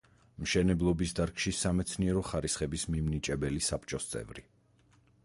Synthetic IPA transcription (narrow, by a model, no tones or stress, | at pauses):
mʃɛnɛblˠɔbisd̪aɾkʰʃisamɛt̪sʰniɛɾɔχaɾisχɛbismimnit͡ʃʼɛbɛlisapʰt͡ʃʼɔst̪sʼɛ̰vɾi